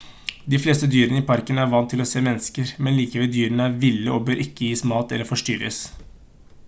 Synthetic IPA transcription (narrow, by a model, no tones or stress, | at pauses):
d̪ɪfleːst̪əd̪yːɾənəiːpʰɑɾkənəæːɾʋɑnːt̪ʰɪlɔseːmɛnːəskəɾmɛnliːkəʋɛld̪yːɾənəæɾʋɪlːəʔoːbøːɾʔɪkːəjiːsmɑːt̪ɛ̰lːəɾfɔʂʈyːɾə̰s